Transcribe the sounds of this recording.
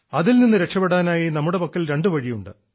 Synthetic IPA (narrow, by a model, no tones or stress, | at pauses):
ɐðilninːɨɾe̞kʂɐpːeɽaːnaːjinɐmːuɽe̞pɐkːilɾe̞ɳɖɨʋɐɻijuɳɖɨ̰